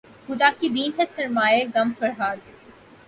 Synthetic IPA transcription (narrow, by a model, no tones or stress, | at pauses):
xʊd̪aːkid̪iːnɦesɐɾmaːeɡɐmfɐɾɦaːd̪